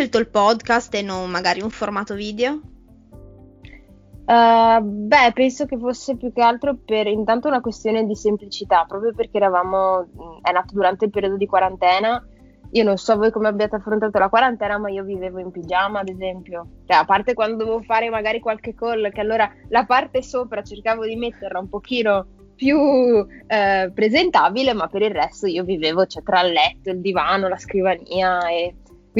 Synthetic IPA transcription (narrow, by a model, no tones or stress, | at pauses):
ʃelt̪oilpɔd̪kast̪enːonmaɡaːɾiuɱformaːt̪oviːd̪eo | ɛbɛpːɛnsok̟efosːepjukːealt̪ɾoperint̪ant̪ounakwest̪joːned̪isemplit͡ʃit̪apːɾɔːpɾjoperk̟eːɾavaːmoɛnaːt̪od̪uɾant̪eilpeɾiod̪od̪ikwaɾant̪ɛːna | iononsɔvojkomeabjaːt̪eafːɾont̪aːt̪olakwaɾant̪ɛːnamaiːoviveːvoimpid͡ʒaːmaːd̪ezɛmpjot͡ʃoɛapːart̪ekwand̪od̪ovevofaːɾemaɡaːɾikwalkekːolːkealːoːɾalapart̪esoːpɾat͡ʃerkaːvod̪imet̪ːerlaumpok̟iːno | pju | pɾezent̪aːbilemapːeɾirːɛst̪oiːoviveːvot͡ʃɛt̪ɾalːɛt̪ːoild̪ivaːnolaskɾivaniːae | k